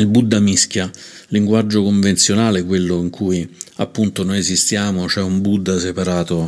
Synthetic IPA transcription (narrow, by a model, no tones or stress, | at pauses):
ilbud̪ːamisk̟ja | liŋɡwad͡ʒːokoɱvent̪sjonaːleɛkːwelːʊiŋkʰujia̰pːunt̪onojezist̪jaːmot͡ʃɛumbud̪ːasepaɾaːt̪o